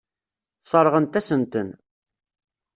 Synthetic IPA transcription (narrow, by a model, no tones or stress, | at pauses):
sˤəɾˤʁənt̪æsənt̪ən